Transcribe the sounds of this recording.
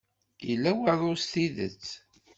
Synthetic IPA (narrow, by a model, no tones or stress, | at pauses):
ilːæwəɾˤʊst̪iðə̰t͡sː